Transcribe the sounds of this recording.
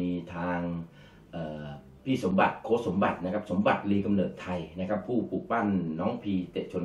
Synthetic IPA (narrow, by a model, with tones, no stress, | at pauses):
iː˧t̪ʰaː˧ŋ | ʔɤː˨˩ | pʰiː˥˩so˩˦mba˨˩t̪̚kʰoː˧˥˩so˩˦mba˨˩t̪̚na˦˥kʰa˦˥p̚so˩˦mba˨˩t̪̚liː˧˩ka˧mnɤː˨˩t̪ʰːa˧jna˦˥kʰa˦˥pʰːuː˥˩puː˨˩k̚pa˥˩nːɔː˦˥ŋpʰiː˧t͡ɕe˨˩t͡ɕʰo˧n